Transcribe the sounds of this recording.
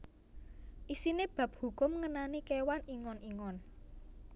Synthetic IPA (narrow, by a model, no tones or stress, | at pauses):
ʔisineb̥a̤p̚hukʊmŋənanikewaniŋɔniŋɔn